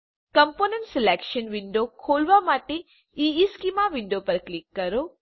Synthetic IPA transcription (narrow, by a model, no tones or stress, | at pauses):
kəmponeɳʈsɪlekʃənʋɪɳɖokʰolʋamaʈe | iiskimaʋɪɳɖopəɾklikːəɾo